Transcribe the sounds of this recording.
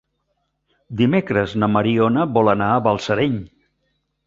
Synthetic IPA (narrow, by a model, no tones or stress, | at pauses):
d̪imekɾəznəməɾionəβɔlənaəβəlˠsəɾeɲ